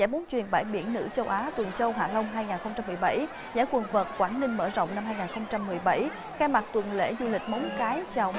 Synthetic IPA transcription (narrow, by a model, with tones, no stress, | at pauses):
za̰ː˧˩jmo˨˦nt͡ɕwi˨˩ənɓa̰ː˧˩jɓḭ˧˩ənːɨ̰˧˥t͡ɕə˧wʔaː˨˦t̪wə˨˩nt͡ɕə˧wɦaː˧˨˩lə˧wŋ͡mɦaː˧jŋaː˨˩nxə˧wŋ͡mt͡ɕa˧mːɨ˨˩əjɓa̰˧˩j | zaː˧˥˩jkwə˨˩nvəː˨˩t̚kwaː˧˩nnï˧ŋ̟mə̰ː˧˩zə̰˧˨wŋ͡mna˧mhɦaː˧jŋaː˨˩nxə˧wŋ͡mt͡ɕa˧mːɨ˨˩əjɓa˧˩j | xaː˧ma˨˩k̚t̪wə˨˩nlḛ˧˥zu˧lï˨˩k̟̚mə˨˦wŋ͡mkaː˨˦jt͡ɕa˨˩w